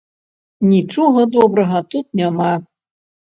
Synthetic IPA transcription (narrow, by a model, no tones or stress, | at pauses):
nʲit͡ʂɔɣɐd̪ɔbɾɐɣɐt̪ut̪̚nʲama